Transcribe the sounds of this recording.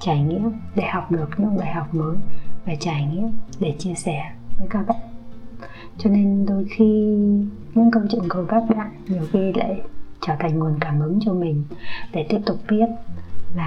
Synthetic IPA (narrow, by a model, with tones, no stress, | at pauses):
t͡ɕaː˧˩jŋḭ˧˥əwɗe˧˩ha˨˩wk͡p̚ɗɨ˨˩ək̚ɲɨ̰˧˥ŋɓaː˨˩jɦa˨˩wk͡p̚məː˨˦jvaː˨˩t͡ɕaː˧˩jŋḭ˧˥əwɗe˧˩t͡ɕi˧əsɛ˧˩vəː˨˦kaː˧wɗa˧˦˨ | t͡ɕɔ˧ne˧nɗo˧jxi˧ | ɲɨ̰˧˥ŋkə˧wt͡ɕə̰˧˨ŋkə˧˩jkaː˦˥k̚ɓa̰ː˧˨nɗi˨˩əwxi˧la̰ː˧˨jt͡ɕəː˧˩t̪ʰa˨˩ŋ̟ŋu˨˩ənkaː˧˩mʔɨ˨˦ŋt͡ɕɔ˧mï˨˩ŋ̟ɗe˧˩t̪i˦˥əp̚t̪ʊ˨˩k͡p̚ɓi˦˥ət̚laː˨˩